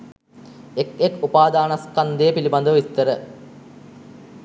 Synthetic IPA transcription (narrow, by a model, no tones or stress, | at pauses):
ekekupaːd̪aːnɐskɐnd̪ejpilibɐnd̪əʋʋist̪əɾə